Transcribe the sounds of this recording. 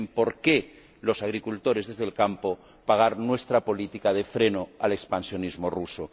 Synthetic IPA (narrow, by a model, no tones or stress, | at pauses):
mpo̞ɾke | lo̞saɣɾikult̪o̞ɾe̞zðe̞zðe̞lkampo̞ | paɣ̞aɾnwe̞st̪ɾapo̞lit̪ikaðefɾe̞noale̞kspansjo̞nizmoruso